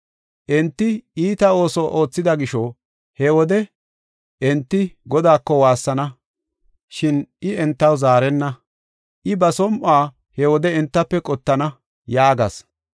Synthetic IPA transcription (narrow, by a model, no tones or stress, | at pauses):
ʔɛnt̪ːɪiːt̪ɐo̞ːsɔʔo̞ːt͡sːɪd̪ɐɡɪʃɔ | hɛwɔd̪ɛ | ɛnt̪ːɪɡɔd̪aːkːɔwaːsːɐnɐ | ʃɪnʔɪɛnt̪ːɐwzaːɾɛnːɐ | ʔɪbɐsɔmʔaː | hɛwɔd̪ɛɛnt̪ːɐpːɛkʼɔt̪ːɐnɐ | jaːɡɐs